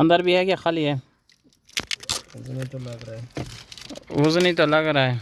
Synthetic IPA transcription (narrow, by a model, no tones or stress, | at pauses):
ə̃nd̪əɾbʱiːɦɛːkjaːxaːliːɦɛː | znit̪olaɡɾae | ʊzniːt̪oːlaɡɾaːɦeː